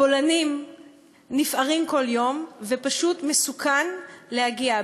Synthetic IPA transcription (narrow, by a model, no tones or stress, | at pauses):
bolanim | nifʔaʁimko̞ljo̞mvepaʃutme̞sukanlehaɡia